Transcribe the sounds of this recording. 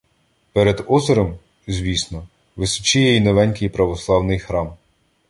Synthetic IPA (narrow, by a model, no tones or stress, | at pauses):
pɛɾɛd̪ɔzɔɾɔm | zʲʋʲisnɔ | ʋɪsʊ̥t͡ʃɪjɛineʋɛnʲkɪjpɾɐʋɔslˠɑwnɪjxɾɑm